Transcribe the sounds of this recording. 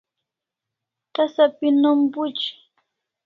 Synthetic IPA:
t̪asapɪnʊmpʊt͡ʃɪ̥

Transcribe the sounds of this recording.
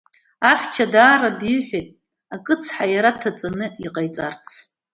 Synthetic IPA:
aχt͡ʃʰadaːradiħʷᶣetʼ | akʼɨt͡sʰħajaɾatʰat͡sʼanɨiqʼajt͡sʼart͡sʰ

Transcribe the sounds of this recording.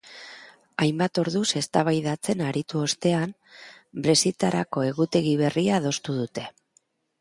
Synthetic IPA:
ajmbat̪o̞ɾðuse̞st̪aβ̞ajðat͡se̞naɾit̪uo̞st̪e̞an | bɾe̞sit̪aɾako̞e̞ɣut̪e̞ɣiβe̞riaðo̞st̪uð̞ut̪e̞

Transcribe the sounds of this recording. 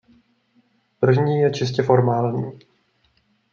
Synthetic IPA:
pr̩vɲiːjɛt͡ʃɪscɛfo̞ɾmaːlɲḭː

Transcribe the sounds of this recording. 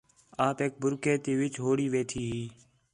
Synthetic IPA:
aːpeːk̚bʱʊɾkeːt̪eːʋɪt͡ʃɦoːɽiːʋeːt̪ʰiːɦiː

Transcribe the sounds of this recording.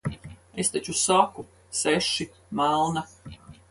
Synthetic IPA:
est̪at͡ʃusaku | seʃi | malˠna

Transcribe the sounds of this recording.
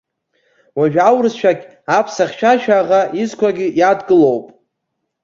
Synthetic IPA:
waʒᶣawrɨzʃʷᶣaɡʲ | apʰsaχʲʃʷᶣaʃᶣaːʁaʔizkʷʰaɡʲɪjadɡɨlowpʼ

